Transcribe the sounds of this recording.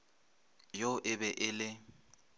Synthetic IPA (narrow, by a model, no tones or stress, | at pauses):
joʔɪbɛʔɪlɪ